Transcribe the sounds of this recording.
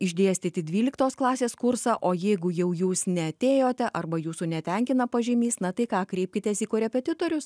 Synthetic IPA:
ɪʒʲd̪ʲeːsʲt̪ʲɪt̪ʲɪd̪ʲʋʲiːlʲɪkt̪oːsklˠɑːsʲeːskʊɾsɑʔoːjɛɪɡʊjɛʊjuːsnʲɛɐt̪ʲeːjoːt̪ʲɛʔɐrbɐjuːsunʲɛt̪ʲɛŋʲkʲɪnɐpɐʒʲɪmʲiːsnɐt̪ɐɪkɑːkɾʲɛɪpʲkʲɪt̪ʲeːsiːkoːɾʲɛpʲɛt̪ʲɪt̪oːɾʲʊs

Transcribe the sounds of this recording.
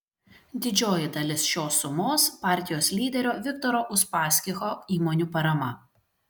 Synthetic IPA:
d̪ʲɪd͡ʒʲoːjɪd̪ɐlʲɪsʃʲoːsʊmoːspɑˑɾʲt̪ʲɪjoːslʲiːd̪ʲɛɾʲoːʋʲɪkt̪ɔɾoːʔʊʃpɑːsʲkʲɪxoːiːmonʲuːpɐɾɐmɐ

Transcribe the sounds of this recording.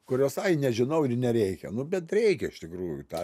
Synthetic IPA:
kʊɾʲoːsɐɪnʲɛʒʲɪnɐʊɪrnʲɛɾʲɛɪkʲɛ̰nʊbʲɛt̪ɾʲɛɪkʲɛɪʃt̪ʲɪkɾuːjʊt̪ɑː

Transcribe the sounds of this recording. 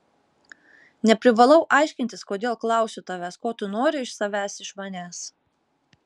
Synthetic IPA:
nʲɛpʲɾʲɪʋɐlˠɐʊʔɑˑɪʃʲkʲɪnʲt̪ʲɪskoːd̪ʲeːlˠklˠɑˑʊsʲʊt̪ɐʋʲæskoːt̪ʊnoːɾʲɪɪʃsɐʋʲæːsɪʃmɐnʲæːs

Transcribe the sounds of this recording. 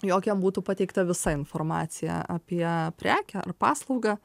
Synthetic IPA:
joːkʲɛmbuːt̪upɐt̪ʲɛɪkt̪ɐʋʲɪsɐɪnformɑ̰ːt̪sʲɪjɛ̰ɐ̰pʲiɛpʲɾʲæːkʲɛɐ̰rpɑːslˠɐʊɡɑ

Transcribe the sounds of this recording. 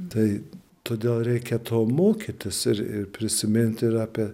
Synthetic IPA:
t̪ɐɪ | t̪oːd̪ʲeːlˠɾʲɛɪkʲɛt̪ʰoːmoːkʲit̪ʲɪsɪɾɪ̰ɾpʲɾʲɪsʲɪmʲɪnʲt̪ʲɪɾɑːpʲiɛ

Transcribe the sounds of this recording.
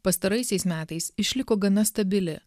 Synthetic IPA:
pɐst̪ɐɾɐɪsʲɛɪsmʲæːt̪ɐɪsɪʃʲlʲɪkoːɡɐnɐst̪ɐbʲɪlʲɪ

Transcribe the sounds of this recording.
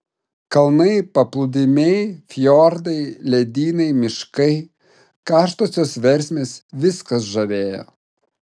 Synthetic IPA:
kɐlˠnɐɪpɐplˠʊd̪ʲɪmʲɛɪfʲjɔɾd̪ɐɪlʲɛd̪ʲiːnɐɪmʲɪʃkɐɪ | kɑːʃt̪oːsʲoːsʋʲɛɾʲsʲmʲeːsʋʲɪskɐs̬ʒɐʋʲeːjo̰ː

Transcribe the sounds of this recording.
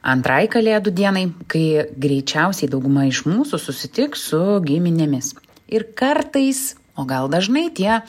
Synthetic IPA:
ɐ̰nt̪ɾɐjkɐlʲeːd̪ʊd̪ʲiɛnɐɪkɐɪɡɾʲɛɪt͡ʃʲɛʊsʲɛɪd̪ɐʊɡʊmɐɪʃmuːsʊsʊsʲɪt̪ʲɪksʊɡʲɪmʲɪnʲeːmʲɪs | ɪɾkɐrt̪ɐɪs | oːɡɐlˠd̪ɐʒnɐɪt̪ʲiɛ

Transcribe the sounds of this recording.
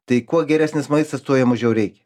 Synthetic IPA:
t̪ɐɪkuɔɡʲɛɾʲæːsʲnʲɪsmɐɪst̪ɐst̪uɔjɛmɐʒʲɛʊɾʲɛɪkʲɛ

